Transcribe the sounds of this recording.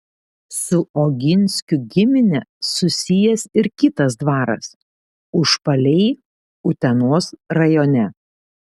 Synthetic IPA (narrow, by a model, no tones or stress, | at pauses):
sʊoːɡʲɪnʲˑsʲkʲʊɡʲɪmʲɪnʲɛsʊsʲɪjɛsɪɾkʲɪt̪ɐsd̪ʋɑːɾɐ̰s | ʊʃpɐlʲɛɪ | ʊt̪ʲɛnoːsɾɐjoːnʲɛ